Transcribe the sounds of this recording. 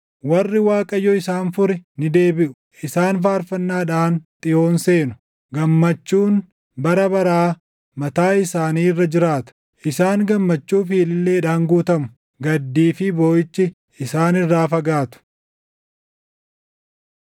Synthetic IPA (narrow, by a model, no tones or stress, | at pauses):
wɐrːɪwaːkʼɐjːɔɪsaːnfʊɾɛnɪd̪e̞ːbɪʔʊ̥ | ʔɪsaːnfaːɾfɐnːaːᶑaːnt̪ʼɪjo̞ːnse̞ːnʊ̥ | ɡɐmːɐt͡ʃːuːn | bɐɾɐbɐɾaː | mɐt̪aːɪsaːniːrːɐd͡ʒɪɾaːt̪ʊ̥ | ʔɪsaːŋɡɐmːɐt͡ʃːuːfiːlɪlːe̞ːᶑaːŋɡuːt̪ɐmʊ̥ | ɡɐd̪ːiːfɪbo̞ːjɪt͡ʃːɪ | ɪsaːnɪrːaːfɐɡaːt̪ʊ̥